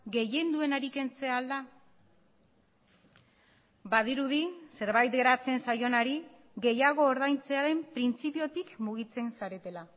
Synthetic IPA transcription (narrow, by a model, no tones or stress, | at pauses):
ɡe̞je̞nd̪ue̞naɾike̞nt͡se̞ald̪a | baðiɾuðise̞ɾβajt̪ɡe̞ɾat͡se̞nsajo̞naɾi | ɣe̞jaɣ̞o̞ːɾðajnt͡se̞aɾe̞mpɾint͡sipio̞t̪ikmuɣ̞it͡se̞nsaɾe̞t̪e̞la